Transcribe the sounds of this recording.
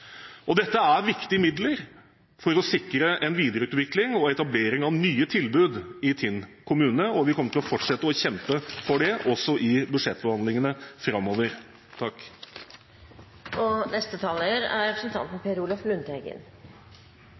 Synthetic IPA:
ʔɔd̪ɛt̪ːəæɾʋɪkt̪ɪəmɪd̪ləɾ | fɔɾɔsɪkːɾəʔɛnʋiːd̪əɾʉːt̪ʋɪklɪŋɔɛt̪ɑbleːɾɪŋɑʋnyːət̪ʰɪlbʉːd̪ɪt̪ʰɪnkʰʊmʉːnəɔʋɪkʰɔmːəʈʰɪlɔfɔʈʂɛt̪ːəɔçɛmpəfɔɖɛʔɔsːɔʔɪbʉd̪ʂɛt̪ːbəhɑnd̪lɪŋənəfɾɑmːoːʋəɾ | t̪ʰɑkː | ɔnɛst̪ət̪ʰɑːləɾæ̰ɾɛpɾəsənt̪ʰɑ̰nt̪mɛpʰeːɾuːlɔflʉnt̪ɛɡə̰n

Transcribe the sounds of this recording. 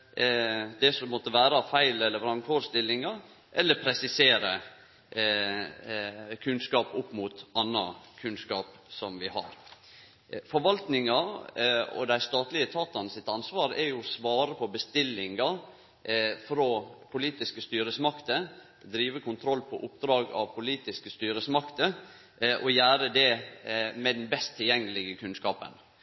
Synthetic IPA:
d̪ɛsɔmɔt̪ːəʋæːɾɑfæɪlɛlːəʋɾɑŋkʰoːɾst̪ɪlːɪŋɑ | ʔɛlːəɾpʰɾɛsɪseːɾə | kʰʉnskɑːpʊpːmuːt̪ɑnːɑkʰʉnskɑ̰ːp | sɔmʋɪhɑ̰ɾ | fɔɾʋɑlt̪nɪŋɑ | ɔ̰d̪æɪst̪ɑːt̪lɪət̪ʰɑːt̪ɑnəsɪt̪ɑnsʋɑːɾɛɾjʊsʋɑːɾəpʰɔbəst̪ɪlːɪŋɑ | fɾoːpʰʊliːt̪ɪskəst̪yːɾəsmɑkt̪ə | d̪ɾiːʋəkʰʊnt̪ʰɾɔlːpʰɔʔʊp̚d̪ɾɑːɡɑ̰ʋpʰʊliːt̪ɪskəst̪yːɾəsmɑkt̪ə | ʔɔjæːɾəd̪ɛ | mɛd̪ɛnbɛst̪ʰːɪljɛŋːəlɪɡəkʰʉnskɑːpə̰n

